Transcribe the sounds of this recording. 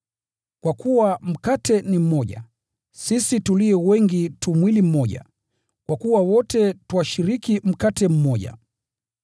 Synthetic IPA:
kwakuwam̩katɛnim̩mɔʄa̰ | sisituliɛwɛŋɡitumwilim̩mɔʄa̰ | kwakuwawɔtɛtuwaʃiɾikim̩katɛm̩mɔʄa̰

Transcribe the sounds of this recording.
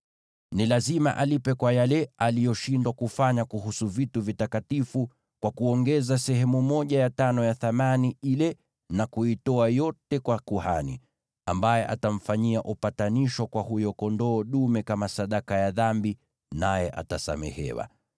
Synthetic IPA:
nilazima̰ʔalipɛkwajalɛalijɔʃindwakufaɲakuɦusuvituvitakatifu | kwakuɔŋɡɛzasɛɦɛmumɔʄajatanɔjaθamaniilɛ | nakuitɔajɔtɛkwakuha̰nḭ | a̰mbajɛʔatam̩faɲiaʔupataniʃwakwahujɔkɔndɔːɗumɛkamasaɗakajaðambi | najɛʔa̰tasa̰mɛ̰hɛ̰wa̰

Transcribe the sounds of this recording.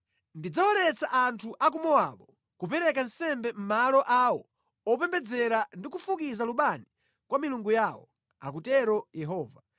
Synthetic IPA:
ndid͡zawɔnɛt͡saʔantʰuʔak̬umɔwaɓɔ | kupɛɾɛkansɛmbɛm̩malɔʔawɔ | ɔpɛmbɛd͡zɛɾandikufukizaluɓani | kwamiluŋɡujawɔ̰ | a̰k̬utɛɾɔjɛɦɔːva

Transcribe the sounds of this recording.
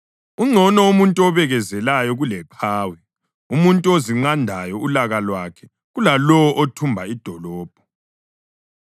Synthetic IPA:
uŋ͡ǀʱɔnɔumuntʼuɔβɛɣɛzɛlajɔɣulɛpʰaːwi | umuntʼuoziŋ͡ǀandʱajɔulaɣalwakʰɛ | ɣulalɔwɔʔotʰumbʱaid̥ʱɔlɔːb̥̚ʱɔ̥

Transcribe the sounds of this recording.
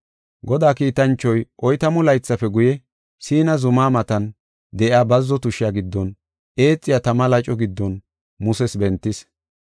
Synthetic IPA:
ɡɔd̪aːkiːt̪ɐnt͡ʃːɔjʔɔjt̪ɐmʊlɐjt͡sːɐfɛɡʊjɛ | siːnɐzʊmaːmɐt̪ɐn | d̪ɛʔɪaːbɐzːɔt̪ʊʃɪjaɡɪd̪ːɔn | ʔe̞ːt͡sʼːɪjat̪ɐmɐlɐt͡ʃʼɔɡɪd̪ːɔn | mʊsɛsbɛnt̪ːɪs

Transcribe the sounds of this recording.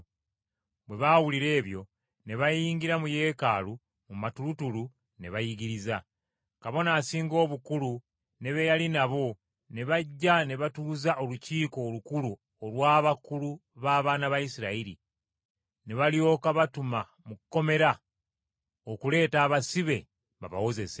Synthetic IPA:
βwe̞βawuliɾe̞ːβjo̞ | ne̞βajiːŋɡiɾamuje̞ːkaːlu | mumatulutulu | ne̞βajiɡiɾiza | kaβo̞naːsiːŋɡo̞ːβukulu | ne̞βejalinaβo̞ | ne̞βaɟːane̞βatuːzaʔo̞luciːko̞ːlukulu | olwaːβakuluβaːβaːnaβaisiɾaiɾḭ | ne̞βaljo̞ːkaβatuma | mukkːo̞me̞ɾa | o̞kule̞ːtaːβasiβe̞ | ba̰βa̰wo̞ze̞se

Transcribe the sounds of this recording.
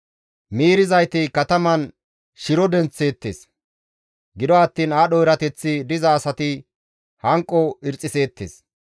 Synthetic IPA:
miːɾɪzɐjt̪ɪkɐt̪ɐmɐn | ʃɪɾɔd̪ɛnt͡sːe̞ːt̪ːeːs | ɡɪd̪ɔɐt̪ːiːnaːɗɔɪɾɐt̪ɛt͡sːɪd̪ɪzɐːsɐt̪ɪ | hɐŋkʼːɔɪɾt͡sʼːɪse̞ːt̪ːḛːs

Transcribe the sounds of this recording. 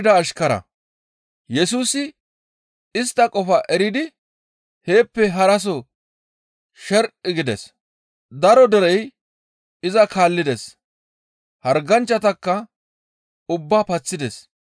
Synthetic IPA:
d̪ɐːʃkɐɾɐ̰ | jɛsuːsɪ | ɪst̪ːɐkʼɔfɐʔɛɾɪd̪ɪ | he̞ːpːɛɦɐɾɐs̬ɔ | ʃɛɾʔʼɪɡɪd̪ɛ̰s | d̪ɐɾɔd̪ɛɾɛj | ɪzɐkʰaːlːɪd̪ɛs | hɐɾɡɐnt͡ʃːɐt̪ɐkːɐ | ʊbːaːpɐt͡sːɪd̪ɛs

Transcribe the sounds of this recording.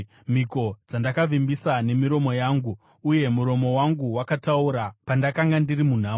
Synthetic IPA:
m̤iko̞d͡zandakavimbisane̞miɾo̞mo̞jaːŋɡuː | je̞muɾo̞mo̞waŋɡuwakatauɾapandakaŋɡandirimun̤aː

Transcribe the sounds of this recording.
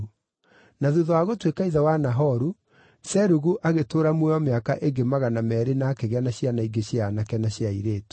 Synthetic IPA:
naðuðɔaɣotwekaiðawanaɦɔɾu | sɛɾuɣuʔaɣetoːɾamwɛɔmeakaʔeŋɡemaɣanamɛːɾenaːkeɣanaɕjanaiɡeɕjanakɛnaɕjaiɾeːto̥

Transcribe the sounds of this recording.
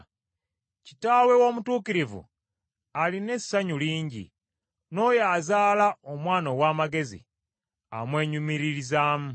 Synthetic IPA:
ci̥taːwe̞wo̞ːmutuːkiɾivṵ | aline̞sːaɲuliːɲɟḭ | no̞jaːzaːlaomwaːnowaːmaɡe̞zḭ | a̰mwe̞ːɲumiɾiɾizaːmu

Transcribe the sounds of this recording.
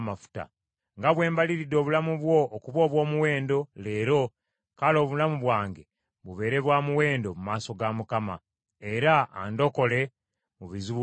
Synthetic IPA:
mafu̥ta̰ | ŋɡaβwe̞ːmbaliɾido̞ːβulamuβwo̞ːkuβo̞ːβwo̞ːmuwe̞ːndo̞le̞ːɾo̞ | kalo̞ːβulamuβwaːŋɡe̞ | βuβe̞ːɾe̞βwaːmuwe̞ːndo̞mumaːso̞ɡamukama̰ | e̞ɾa̰ːndo̞ko̞le̞ | muβizu

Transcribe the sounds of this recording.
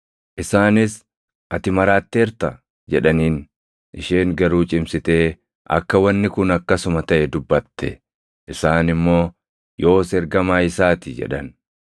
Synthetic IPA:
ʔɪsaːnɪs | ʔɐt̪ɪmɐɾaːt̪ːeːɾt̪ɐ | d͡ʒɛᶑɐniːn | ʔɪʃeːŋɡɐɾuːt͡ʃʼɪmsɪt̪eː | ʔɐ̰kːɐwɐnːɪkʊnɐkːɐsʊmɐt̪ɐʔɛd̪ʊbːɐt̪ːɛ̰ | ʔɪsaːnɪmːo̞ː | jo̞ːsɛɾɡɐmaːɪsaːt̪ɪd͡ʒɛ̰ᶑɐn

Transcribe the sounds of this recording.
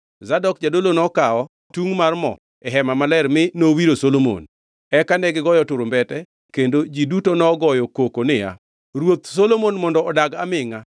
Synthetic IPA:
zadɔk̚d͡ʒadolonɔkaɔ | tuŋmarmɔ̰ | ɛɦɛmamalɛɾmɪnowiɾosolomo̰n | ɛkanɛɡɪɡɔjɔtʊɾombɛtɛ | kendod͡ʒidutonɔɡɔjɔkokonɪja̰ | rwot̪solomonmɔndɔːdaɡamɪŋa

